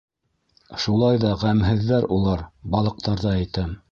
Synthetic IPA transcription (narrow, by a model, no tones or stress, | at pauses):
ʃulˠɑjðɑʁæmɦɘ̆ðːæɾulˠɑɾbɑlˠɤ̆q̚t̪ɑɾðɑæjt̪æm